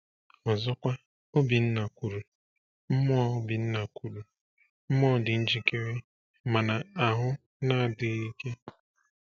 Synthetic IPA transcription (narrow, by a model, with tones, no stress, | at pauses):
ɔ˨zɔ˦kʷa˦ | o˦bi˨n̩˦na˨kʷu˨ɾu˨ | m̩˦mɔ˦a˦o˦bi˨n̩˦na˨kʷʰu˨ɾu˨ | m̩˦mɔ˦˨dɪ˨n̩˦d͡ʒi˨ke˦ɾe˦ | ma˨na˨a˨ɦʊ˦ | na˦a˨dɪ˨i˦ke˦